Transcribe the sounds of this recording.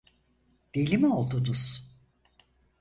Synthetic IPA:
d̪̥elʲimo̞lˠd̪ud̪uz̥

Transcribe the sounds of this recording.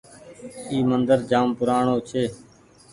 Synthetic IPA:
iːmənd̪əɾd͡ʒaːmpʊɾaːɳoːt͡ʃʰeː

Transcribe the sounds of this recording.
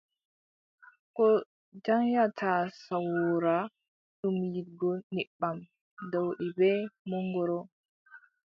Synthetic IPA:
kɔ | d͡ʒaŋjatʰasawɾa | ɗumjiɡɔniɓːam | dɔwɗɛbɛmɔŋɡɔɾɔ

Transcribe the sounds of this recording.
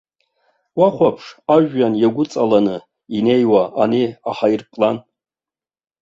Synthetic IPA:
waχʷapʰʂaʒᶣːanjaɡʷʊt͡sʼalanɨ | ine̞jwaaneaħairpʼlan

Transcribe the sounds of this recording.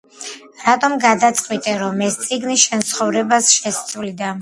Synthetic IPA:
ɾat̪ʼɔmɡad̪at̪sʼqʼwit̪ʼɛɾɔmɛst̪sʼiɡnisʃɛnt̪sχɔvɾɛbasʃɛst̪sʼvlid̪a

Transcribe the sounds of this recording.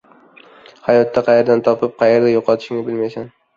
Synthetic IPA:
hajɒt̪ʰːaqʰɑjeɾd̪ant̪ʰɒpɪp̚qʰɑjeɾd̪ajoqʰɒt̪ʰɪ̥ʃɪŋɪbɪlmajsan

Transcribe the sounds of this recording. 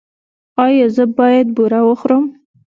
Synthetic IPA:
ɑjɑzəbɑjad̪̚buɾawoχɾom

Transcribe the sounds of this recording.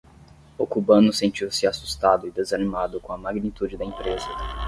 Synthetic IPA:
ʊkubɐ̃nʊsẽt͡ʃiwsɪasu̥st̪ad̪ʊɪd̪ezanimad̪ʊkõɐmaɡnit̪ud͡ʒɪd̪ɐẽpɾezɐ

